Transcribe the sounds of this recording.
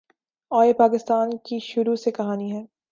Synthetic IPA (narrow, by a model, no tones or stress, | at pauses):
ɔːepaːkɪst̪aːnkiʃʊɾusekɐɦaːniɦɛː